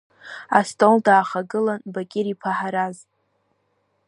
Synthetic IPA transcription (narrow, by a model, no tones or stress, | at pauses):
astʼoldaːχaɡɨlanbakʲʼɪɾipʰaħaɾaz